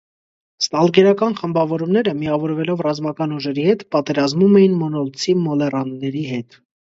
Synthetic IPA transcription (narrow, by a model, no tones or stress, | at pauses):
st̪ɑlɡɛɾɑkɑnχəmbɑvɔɾumnɛɾəmiɑvɔɾvɛlɔvrɑzmɑkɑnuʒɛɾihɛt̪pɑt̪ɛɾɑzmumɛjinmɔnɔlt͡sʰimːɔlɛrɑnːɛɾiɦɛt̪